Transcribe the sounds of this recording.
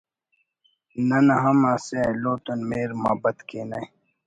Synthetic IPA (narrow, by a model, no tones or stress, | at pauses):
nɐnɐɦɐmaseloːt̪unmeːɾma̰ːbɐt̪keːna̰j